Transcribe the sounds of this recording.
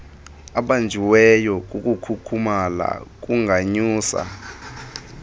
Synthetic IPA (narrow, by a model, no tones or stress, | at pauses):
aɓand͡ʒʱiwɛjɔk̬ʼukʼukʰukʰumala̰k̬uŋʱaɲuːsa̰